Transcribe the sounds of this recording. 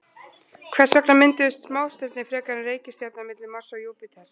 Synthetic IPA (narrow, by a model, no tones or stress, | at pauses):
kʰv̥ɛɾ̥sœknamɪnt̪ɪst̪smaːwst̪ɪɾt̪nɪfɾɛːkaɾnɪreːjcɪst̪jat̪namɪt̪lɪmɔɾ̥sajuːpɪt̪ʰɛs